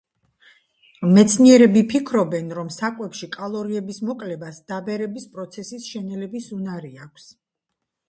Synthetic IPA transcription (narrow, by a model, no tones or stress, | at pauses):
mɛt̪sʰniɛɾɛbipʰikʰɾɔbɛnɾɔmsakʼwɛpʃikʼalˠɔɾiɛbismɔkʼlɛbasd̪̥abɛɾɛbispʼɾɔt̪sʰɛsisʃɛnɛlɛbisunaɾiakʰs